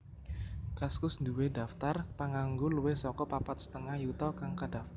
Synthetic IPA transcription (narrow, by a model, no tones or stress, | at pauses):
kaskʊsnd̪uwedaft̪arpaŋaŋɡoluwehsɔkɔpapat̪̚sə̥t̪əŋahjut̪ɔkaŋkad̥af